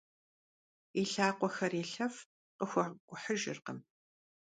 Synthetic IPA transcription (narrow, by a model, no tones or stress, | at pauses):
iɬaːqʷɔxɐreːɬɐf | qəxʷɔɡʷʊħəʒɪ̰rqəm